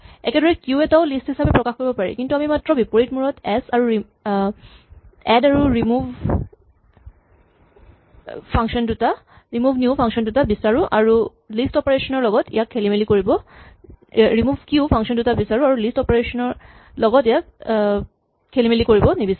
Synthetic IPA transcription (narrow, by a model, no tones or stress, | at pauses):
ɛ̰kɛdɔɹɛkjuɛtaʊlisthisapɛpɹɔkaxkoɹibɔpaɹḭkintuamimatɹɔbipoɹit̚muɹɔtɛsaɹuɹi | ɛdaɹuɹimubʱ | pʰaŋkʃɔnduta | ɹimubʱnjupʰaŋksɔndutabisaɹuʔaɹu | listɔpeɹesɔnɔɹlɔɡɔtḭjakʰːelimelikoɹibɔ | ɹimuvʱkjupʰãŋkʃɔndutabisaɹuaɹulistɔpeɹesɔnɔɹ | lɔɡɔtijak | kʰːelimelikoɹibɔnibisa